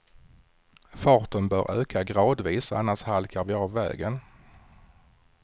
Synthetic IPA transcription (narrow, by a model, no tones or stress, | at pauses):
fɑːʈ̪ənbœ̰ːɾʔøːkʰaɡɾɑːd̪viːsa̰nːaʂhalkʰaɾvɪɑːvːɛ̰ːɡən